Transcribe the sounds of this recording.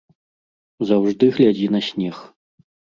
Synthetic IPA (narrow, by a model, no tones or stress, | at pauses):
zawʐd̪ɨɣlʲad͡zʲinɐsʲnʲɛx